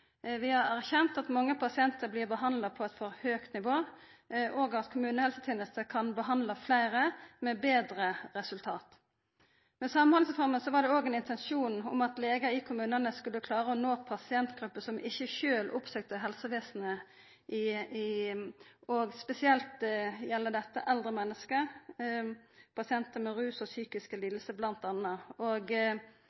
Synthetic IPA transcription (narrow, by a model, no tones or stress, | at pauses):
ʋɪhɑɾæʁçɛnt̪ɑt̪mɑŋːəpʰɑsɪɛnt̪əɾblɪːʁbəɦɑnlɑpʰɔɛt̪fɔɾhøːkt̪nɪʋoː | ʔoːɡɑt̪kʰʊmʉːnəhɛlsət̪ʰeːnəst̪əkʰɑnbəɦɑnd̪lɑflæɪɾəmɛbeːd̪ɾəʁɛsʉlt̪ʰɑːt̪ | mɛsɑmənhɑlsəfɔɾməsɔʋɑdɖ̪ɛoːɡɛnɪnt̪ɛnʃuːnɔ̰mɑt̪leːɡəɪkʰʊmʉːnənəskʉlːəkʰlɑːɾʁəɔnoːpʰɑsɪɛnt̪ɡʁʉpːəsɔmʔɪçːəçøːlʔʊpsøːk̚t̪əɦɛlsəʋeːsn̩ə | ʔɪɪ | ɔɡspɛsɪɛlt̪jɛlːəd̪ɛt̪ːə̰ʔɛld̪ʁəmɛnːəskə | pʰɑsɪɛnt̪əmɛʁʉːsɔsyːkɪskəliːd̪əlsəblɑnt̪ɑnːəoɡ